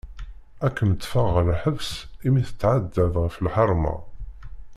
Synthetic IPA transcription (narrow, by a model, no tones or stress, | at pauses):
ækːəmət̪ːfəʁlħəvsimiθə̥t͡sːʕad̪ːæðʁəfəlħɑɾˤmɑ̰